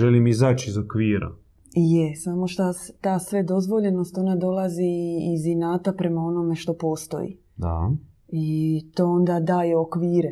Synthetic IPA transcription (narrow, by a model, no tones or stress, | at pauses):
ʒelimizat͡ʃizokʋiːɾa̰ | jesamoʃt̪ast̪aːsʋe̞d̪o̞zʋo̞ʎe̞no̞st̪o̞nad̪olˠaziːzinaːt̪apɾe̞mao̞no̞me̞ʃt̪o̞po̞ːst̪o̞̰jḭ | d̪a̰ | it̪oːo̞nd̪ad̪aːjeokʋiːɾe